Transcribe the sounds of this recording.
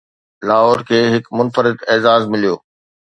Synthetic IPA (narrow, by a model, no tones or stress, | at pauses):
laːɦɔːɾkʰeːɦɪkmʊnfəɾɪd̪ɛːzaːzmɪlijoː